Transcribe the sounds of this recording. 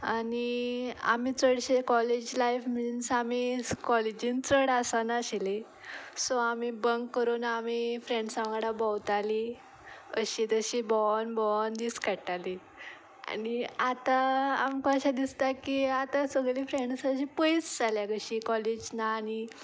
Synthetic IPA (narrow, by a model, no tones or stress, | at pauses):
ania̰miːt͡səɽɕekɔled͡ʑlajfminsamikɔled͡ʑĩnt͡səɽasanaɕile | sɔamibəŋkːəɾuːnamifɾẽɳɖsãʋɡaɽabɔwt̪ali | ə̰ɕit̪əɕibɔnbɔnd̪iskaʈali | a̰niat̪aamkaɕad̪ist̪akiat̪asəɡlifɾeɳɖsəɕipəit͡sd͡zaljakəɕikɔled͡ʑnaːñi